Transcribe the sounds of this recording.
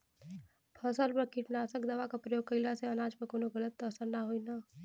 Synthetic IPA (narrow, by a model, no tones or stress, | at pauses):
pʰəsəlpɐɾkiʈnaːsəkd̪ɐʋakapɾɐjoːɡ̚kəɪlaseɐnaːd͡ʒpɐɾkoːnoɡələt̪ːoəsəɾnaɦoinaː